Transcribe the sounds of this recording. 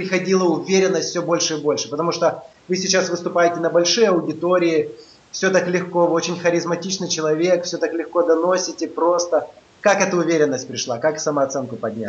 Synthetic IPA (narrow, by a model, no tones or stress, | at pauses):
pɾʲɪxɐdʲilˠəʊvʲeɾʲɪnːəsʲtʲfsʲobo̞lʲʂɨibo̞lʲʂɨpət̪ɐmuʂt̪o | vɨsʲɪt͡ɕasvɨst̪ʊpajɪtʲɪnəbɐlʲʂɨjəɐwʊdʲɪt̪o̞ɾʲɪɪ | fsʲot̪aklʲɪxkoɨot͡ɕɪnʲxəɾʲɪzmɐtʲit͡ɕnɨjt͡ɕɪlˠɐvʲe̞kfsʲot̪aklʲɪxkod̪ɐno̞sʲɪtʲɪpɾo̞st̪ə | kakɛt̪əʊvʲeɾʲɪnːəsʲt̚ʲpɾʲɪʂlˠakaksɐmɐɐt̪sɛnkʊpɐdʲnʲa̰